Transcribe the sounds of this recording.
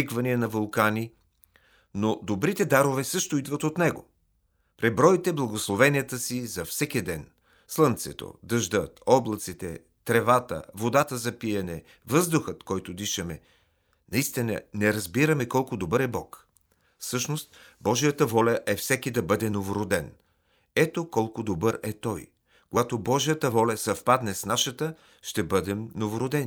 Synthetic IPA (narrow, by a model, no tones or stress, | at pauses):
ikvɐniɛnɐvɐlˠkani | nod̪obɾit̪ɛd̪aɾovɛsɤʃt̪oid̪vət̪ot̪nɛɡo̰ | pɾɛbɾɔit̪ɛblˠɐɡoslˠovɛniət̪əsizɐfsɛkid̪ɛn | slˠənt̪sɛ̰t̪o̰d̪əʒd̪ət̪ɔblˠət̪sit̪ɛ̰ | t̪ɾɛvat̪ə̰vod̪at̪əzɐpiɐnɛ | vɤzd̪ʊxət̪kɔjt̪od̪iʃɐmɛ | nɐist̪inə̰nɛɾɐzbiɾɐmɛkɔlˠkʊd̪obɤɾɛbɔk | fsɤʃnost̪bɔʒijət̪əvɔlʲəʔɛfsɛkid̪ɐbɤd̪ɛnovoɾod̪ɛn | ɛt̪okɔlˠkʊd̪obɤɾɛt̪ɔj | koɡat̪obɔʒijət̪əvɔlʲɐsɐfpad̪nɛsnaʃət̪ə | ʃt̪ɛbɤd̪ɛmnovoɾod̪ɛni